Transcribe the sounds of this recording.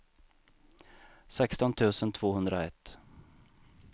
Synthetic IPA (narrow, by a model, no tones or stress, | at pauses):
sɛkst̪ɔnt̪ʰʉ̟ːsənt̪ʰvoːhɵnd̪ɾaɛt̪ː